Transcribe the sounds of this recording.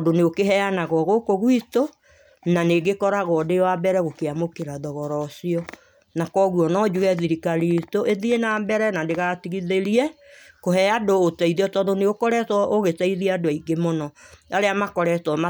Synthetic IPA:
doneokeɦɛanaɣɔɣokoɣwito | naneɡekɔɾaɣɔdewabɛɾɛɣokeamokeɾaðɔɣɔɾɔsiɔ | nakɔɣwɔnɔd͡ʒuɣɛðiɾikaɾitoʔeðienaːmbɛɾɛnandeɣatiɣiðeɾiɛ | kohɛadoːtaiðiɔtɔndoneokɔɾɛtɔʔoɣetaiðiɛadoaiɡemonɔaɾeamakɔɾɛtɔma

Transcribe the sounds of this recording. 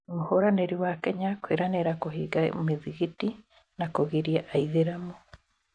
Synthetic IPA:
omuhoɾaneɾiwakɛɲakwiɾaneɾakoɦiɡa̰miðiɣiti | nakoɣiɾijaʔaiðeɾamo

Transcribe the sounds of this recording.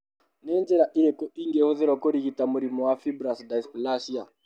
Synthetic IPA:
nɛnd͡ʒɛɾaʔiɾɛkɔiŋɡɛhɔðɛɾɔkɔɾiɣitamuɾimɔwafibɾasdaispɔlaʃia

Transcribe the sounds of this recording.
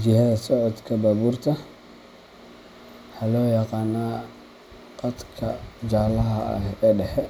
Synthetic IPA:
d͡ʒɪɦɐðɐsɔʕɔd̪kʰɐbaːβuːrt̪ʰɐ | ħalɔːjɑqɑːnaː | qɐd̪kʰɐ̰d͡ʒaːlɐɦɐ̰ɛːɖɛħɛ

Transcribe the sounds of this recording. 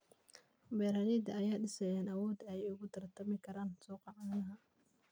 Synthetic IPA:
bɛːɾalid̪ɐɐjaːɗɪsɛjaːnɐwɔːd̪ɛjɛjʊɣʊt̪ʰɐrt̪ʰɐmɪkʰɐɾaːnsɔːqɑʕɑnɐɦɐ

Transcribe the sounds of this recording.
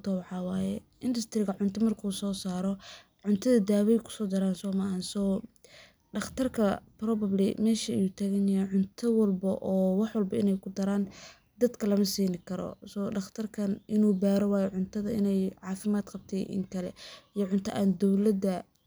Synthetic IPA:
t̪ʰɔwɑħɑːwɑːjɛ | ʔɪnd̪ɐst̪ʰɾɪɣɐʕʊnt̪ʰɐmɐrkʰuːsɔːsaːɾɔ | ʕʊnt̪ʰɐðɐd̪aːwɛjkʰʊ̥sɔːd̪ɐɾaːnsɔːmɐʔɐnsɔː | ɖɐχt̪ʰɐrkʰɐprɔːbɐblɪmɛːʃɐɛjut̪ʰaːɣɛnɐjɐʕʊnt̪ʰɐwɐlbɐʔɔːwɑħwɑlbɐɪnɛjkʰʊd̪ɐɾaːn | d̪ɐd̪kʰɐlɐmɐsiːnɪkʰɐɾɔ̰sɔːɖɑχt̪ʰɐrkʰɐnʔɪnuːbaːɾɔwɑːjɛʕʊnt̪ʰɐðɐɪ̰nɛjʕɑːfɪmaːd̪qɑb̚t̪ʰɛːʔɪ̰ŋkʰɐlɛ̰ijɔʕʊnt̪ʰɐ̰ʔaːnd̪ɔwlɐd̪ɐ

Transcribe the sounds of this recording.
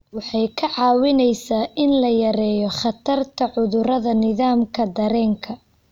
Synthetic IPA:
wɑħɑjkʰɐʕɑːwɪnɛjsaːʔɪnlɐjɐɾɛːjɔχɑt̪ʰɐrt̪ʰɐʕʊðʊɾɐðɐnɪðaːmkʰɐd̪ɐɾɛːŋkʰɐ

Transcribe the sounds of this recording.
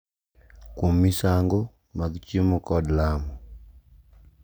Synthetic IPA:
komisaŋɡɔ | maɡt͡ʃimɔkɔdlamɔ

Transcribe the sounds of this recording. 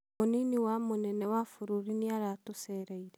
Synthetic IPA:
oniniwamonɛnɛwafoɾuɾiniaɾatosɛɾɛiɾɛ

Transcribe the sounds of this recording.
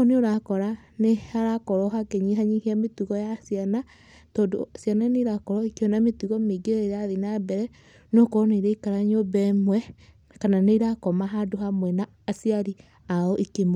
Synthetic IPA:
oneoɾakɔɾanehaɾakɔɾɔɦakeɲiɦaɲihiametuɣɔjasiana | toːndo̰asjanaaneɾakɔɾɔikjɔnametuɣɔmeɡeɾeɾaðinabɛɾɛ | nɔkɔneiɾeikaɾaɲobɛmwɛ | kananeiɾakɔmaɦadoɦamwɛnaːsiaɾi | aɔʔikemo

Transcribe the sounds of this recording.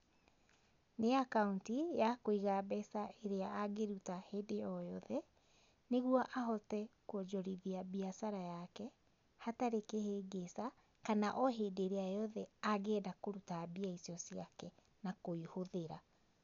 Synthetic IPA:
neakauntijakoiɣabɛsaeɾeaːɡeɾutaheːdejɔjɔðɛ | neɣwɔʔaɦɔtɛkwɔd͡ʒɔɾiðiabiasaɾajakɛ | hataɾekeheːɡesa | kanaʔɔɦeːdeɾeajɔðɛaɣɛːdakoɾutabiaisiɔsiakɛ | nakoihoðeɾa

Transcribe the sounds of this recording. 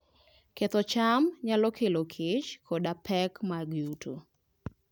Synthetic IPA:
ket̪ɔt͡ʃamɲalɔkʰelokʰɪt͡ʃkʰɔdapʰɛkmaɡjutʰo̰

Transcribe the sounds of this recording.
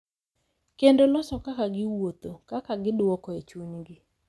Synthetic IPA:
kendolɔsɔkakaɡɪwot̪okakaɡɪdwɔkɔet͡ʃunɡɪ

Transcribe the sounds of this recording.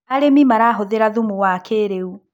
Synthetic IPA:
aɾemimaɾaɦoðeɾaðumuwakʰeɾeu

